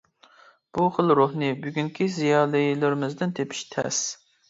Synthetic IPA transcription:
b̥uχəlˠɾohnɨbyɡʲyŋkʲʰizijɑːlˠɨjilˠɪɾɪmɪzd̪ɪnt̪ʰepʰi̥ʃt̪ʰɛ̰s

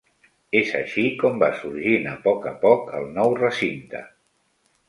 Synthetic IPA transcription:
ezəʃikɔmbasuɾʒinəpɔkəpɔkə̰lˠnɔwrəsint̪ə̰

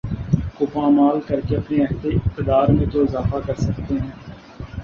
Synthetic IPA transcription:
kʊpãːmaːlkəɾkeɐpneɛɦt̪eɪkt̪ɪd̪aːɾmẽt̪oɪzaːfakɐɾsɐk̚t̪eɦɛ̃ː

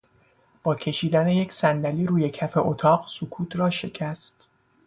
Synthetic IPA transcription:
b̥ɒːcʰe̞ʃiːd̪æne̞jecʰsænd̪æliːɾuːje̞cʰæfe̞ʔot̪ʰɒːɢsokʰuːt̪ʰɾɒːʃe̞cʰæst̪

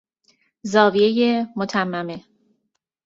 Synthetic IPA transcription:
zɒːvie̞jemot̪ʰæmːæme̞

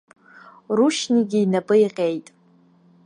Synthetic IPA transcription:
ruʃniɡʲiːnabʼɨiqʲʼe̞jtʼ

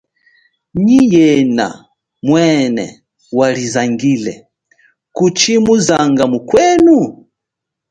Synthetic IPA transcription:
ɲijɛna̰ | mwɛnɛ̰ | walizaŋɡilɛ | kut͡ʃimuzaŋɡamukwɛnu

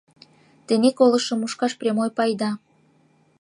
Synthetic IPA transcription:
t̪enekolə̆ʃə̆muʃkɑʃprʲemojpɑjd̪ɑ

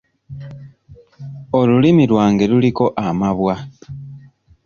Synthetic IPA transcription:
olulimilwaːŋɡe̞luliko̞ʔamaβwa

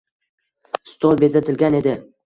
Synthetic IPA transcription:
st̪olˠbe̞zat̪ʰɪlɡʲane̞d̪ɪ

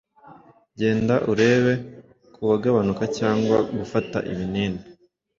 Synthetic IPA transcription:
ɟe̞ːndaʔuɾe̞ːβe̞ | kʰuβaɡaβanukacaːŋɡwaɡufata̰ʔiβiniːne

